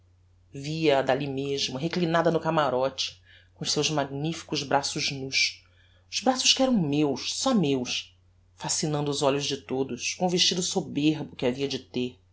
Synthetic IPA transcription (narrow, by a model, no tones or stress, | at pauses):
viɐːd̪alimeʒmʊɦeklinad̪ɐnʊkamaɾɔt͡ʃɪ̥ | kõʊʃsewzmaɡnifi̥kʊzbɾasʊʒnuʃ | ʊz̥bɾasʊʃkɪɛɾɐ̃w̃mewʃsɔmewʃ | fasinɐ̃nd̪ʊːzɔʎʊzd͡ʒɪt̪od̪ʊʃkõʊveʃt͡ʃid̪ʊsobeɾbʊkɪaviɐd͡ʒɪt̪eɾ